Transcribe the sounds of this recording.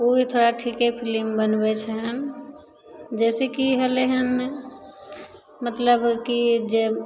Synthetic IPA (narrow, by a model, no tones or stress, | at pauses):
oit̪ʰoɾaʈʰikepʰilimbənbɛt͡ʃʰɛɦən | d͡ʒɛsɛkiɦəleɦən | mət̪ləbkid͡ʒe